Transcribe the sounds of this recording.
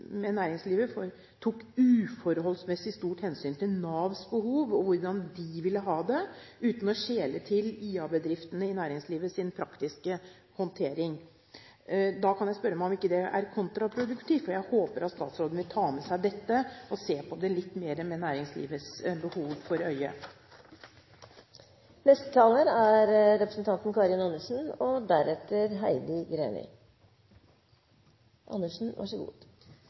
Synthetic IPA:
mɛnæːɾɪŋsliːʋəfɔɾ | t̪ʰuːkːʉːfɔɾɦɔlsmɛsɪst̪uːʈhɛnsyːnt̪ɪlnɑːʋsbəhuːʋɔʋʊɾɖɑnd̪ɪʋɪlːəɦɑːd̪ɛʔʉːt̪n̩ɔɕeːlət̪ʰɪliːɑbəd̪ɾɪft̪ənəɪnæːɾɪŋsliːʋəsɪnpʰɾɑkt̪ɪskə | hɔnt̪ʰeːɾɪŋ | d̪ɑkʰɑnjæɪspœɾːəmæɔmɪkːəd̪ɛʔæ̰ɾkʰʊnt̪ɾɑpʰɾʊd̪ʉkt̪ʰiːft̪fɔjæɪhoːpəɾɑt̪st̪ɑ̰ːt̪sɾoːd̪nʋɪlt̪ʰɑːmɛsæɪd̪ɛt̪ːəɔseːpʰɔd̪ɛlɪt̪ːmeːɾəmɛnæːɾɪŋslḭːʋət̪sbəhuːʋfɔɾœʏə | nɛst̪ə̥t̪ʰɑːləɾæɾɾɛpɾəsn̩t̪ɑnt̪n̩kʰɑːɾɪnɑnːəʂn̩ɔd̪æɾɛt̪ːəɾɦæɪd̪ɪɡɾḛːnə̰ɾ | ʔɑ̰nːəʂn̩ʋʔɑ̰ʂəɡṵːd̪̥

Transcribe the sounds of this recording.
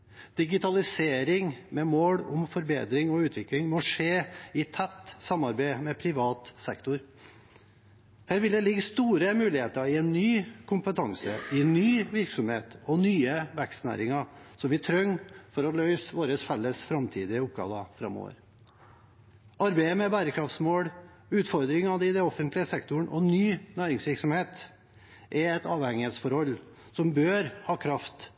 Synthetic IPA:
d̪̥ɪɡɪt̪ʰɑlɪseːɾɪŋmɛmoːɽʊmfɔɾbḛːd̪ɾɪŋɔʉːt̪ʋɪklɪŋmɔʂeːɪt̪ʰɛt̪ːsɑmːɑɾbæɪmɛpʰɾɪʋɑːt̪sɛkt̪ʊɾ | hæːɾʋɪld̪ɛlɪɡəst̪uːɾəmʉːlɪheːt̪əɾɪɛnnyːkʰʊmpət̪ʰɑŋsəɪnnːyːʋɪɾksɔmhḛːt̪ɔnyːəʋækst̪næ̰ːɾɪŋɑsɔmʋɪt̪ʰɾœŋːfɔɾɔlœʏsʋoːɾəsfɛlːəsfɾɑmt̪ʰiːd̪ɪəʊp̚ɡɑ̰ːʋəfɾɑ̰mːo̰ːʋə̰ɾ | ʔɑɾbæɪəmɛbæːɾəkʰɾɑft̪smoːɽ | ʉːt̪fɔɾd̪ɾɪŋɑd̪ɪd̪ɛɔfənt̪lɪəsɛkt̪ʊɳʔɔ̰nyːnæːɾɪŋsʋɪɾksɔmheːt̪ | ʔɛɛt̪ɑːʋhɛŋɪheːt̪sfɔɾhɔlː | sɔmbøːɾhɑːkʰɾɑft̪

